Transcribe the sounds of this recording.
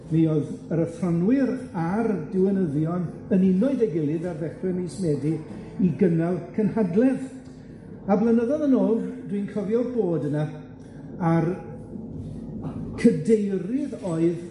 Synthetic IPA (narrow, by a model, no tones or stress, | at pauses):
nioðəɾəfrɔnwɪɾardɪwɛnəðjɔn | ənɪnɔɨdɛɡɪlˠɪðarvɛχrɛnismɛdi | iɡənalˠkʰənhadlˠɛv | ablˠənəðɔðənoːɡd̥winkʰɔvjɔrboːdəna | ar | kʰədejrɪðoːɨð